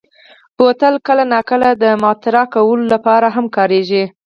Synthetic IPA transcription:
b̥ot̪əlkəlanɑkəlad̪əmɑt̪ɪɾakawəlolapɑɾaɦamkɑɾeʒi

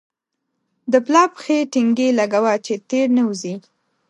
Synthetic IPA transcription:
d̪əplɑpxeʈɪŋɡelaɡawat͡ʃet̪eɾnəuzi

